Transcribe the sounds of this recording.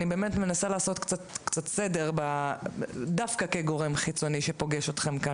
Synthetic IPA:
nibe̞ːme̞tme̞nasalaːso̞tkt͡satkt͡satse̞de̞ʁba | dafkakeɡo̞ʁe̞mχit͡so̞niʃepo̞ɡe̞ʃo̞tχe̞mka

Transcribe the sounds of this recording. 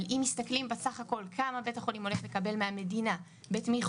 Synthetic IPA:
limːist̪aklimbesaχako̞lkʰamabe̞taχo̞limo̞leχle̞kabe̞lmeame̞dina | betmiχ

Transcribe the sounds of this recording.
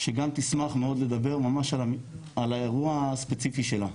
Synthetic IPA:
ʃeɡamt̪ismaχmeo̞d̪led̪abe̞ʁmamaʃa | alaeʁuaspet͡sifiʃela

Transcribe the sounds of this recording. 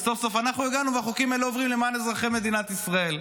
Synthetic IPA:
so̞fso̞fanaχnueɡanuvaχokimaeleovʁimlemaːnezʁaχeme̞d̪inat̪isʁae̞l

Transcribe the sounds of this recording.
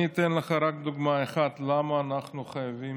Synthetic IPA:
it̪enləχaɾak̚d̪uɡmaeχat̪lamaːnaχnuχajavi

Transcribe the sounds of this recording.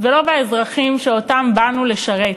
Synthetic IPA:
velo̞baezʁaχimʃeotambanule̞ʃaʁet

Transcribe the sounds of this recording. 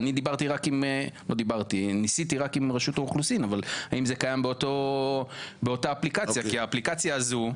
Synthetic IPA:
nid̪ibaʁt̪iʁakimlo̞d̪ibaʁt̪inisit̪iʁakimʁeʃut̪auχlusinavalaʔimzekajambeot̪o | beo̞taːplikajakiaːplikat͡sjaːzu

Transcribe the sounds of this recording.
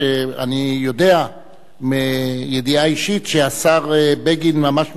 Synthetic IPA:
ea̰nijo̞de̞a | mejediaiʃit̪ʃeasaʁebeɡinmamaʃ

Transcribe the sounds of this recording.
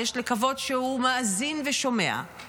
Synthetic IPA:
eʃlekavo̞dʃehumaazinveʃo̞me̞a̰

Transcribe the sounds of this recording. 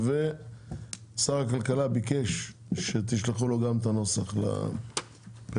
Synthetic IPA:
ve | saʁakalkalabikeʃʃet̪̬iʃleχulo̞ɡamt̪ano̞saχla̰ | b̥e

